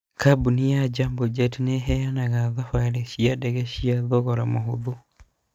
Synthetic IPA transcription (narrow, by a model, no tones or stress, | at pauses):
kabunijad͡ʒambod͡ʒɛtneɦɛjanaɣaðafaɾeʃiadɛɣɛʃiaðɔɣɔɾamohoðo